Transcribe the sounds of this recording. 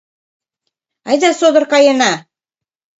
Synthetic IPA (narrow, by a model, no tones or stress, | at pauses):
ɑjd̪ɑsod̪ə̆rkɑjenɑ